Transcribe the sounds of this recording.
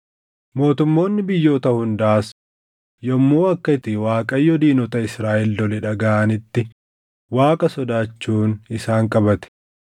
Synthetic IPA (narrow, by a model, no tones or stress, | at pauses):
mo̞ːt̪ʊmːo̞ːnːɪbɪjːo̞ːt̪ɐhʊnd̪ɐʔːs | jɔmːoːɐkːɐɪt̪ɪwaːkʼɐjːɔd̪iːnɔt̪ɐɪsɾaːʔɪlːɔlɛᶑɐɡaʔɐnɪt̪ːɪ | waːkʼɐsɔd̪aːt͡ʃːuːnɪsaːŋkʼɐbɐt̪ɛ̥